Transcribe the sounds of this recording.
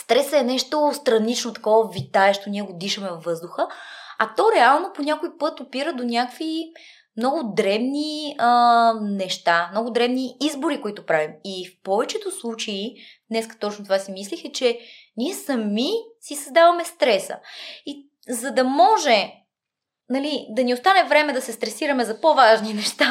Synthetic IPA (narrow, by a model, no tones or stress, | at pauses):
st̪ɾɛsəɛnɛʃt̪ost̪ɾɐnit͡ʃnot̪ɐ̥kɔvəvit̪aɛʃt̪onʲiɛɡod̪iʃəmɛːɤzd̪ʊxəɐt̪ɔɾɛalˠnoponʲakoipɤt̪opiɾəd̪onʲakvi | mnɔɡʊd̪ɾɛbniənɛʃt̪amnɔɡʊd̪ɾɛbniizboɾikoit̪ʊpɾavimifpɔvɛt͡ʃɛt̪ʊslˠut͡ʃɐid̪nɛskə̥t̪ɔt͡ʃnot̪ovasimislixɛt͡ʃɛnʲiɛsɐmisisɐzd̪avɐmɛst̪ɾɛsə̰i | zɐd̪ɐmɔʒɛ | nɐlid̪ɐniost̪anɛvɾɛmɛd̪ɐsɛst̪ɾɛsiɾɐmɛzɐpovaʒninɛʃt̪a